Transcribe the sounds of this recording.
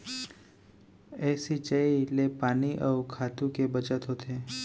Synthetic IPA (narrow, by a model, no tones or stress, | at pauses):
ɛːsit͡ʃəilepaːniʔəʊkʰaːt̪ũkebət͡ʃət̪ɦot̪ʰeː